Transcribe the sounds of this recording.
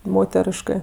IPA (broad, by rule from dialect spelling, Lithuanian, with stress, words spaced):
ˈmoːtʲɛrʲɪʃkɜ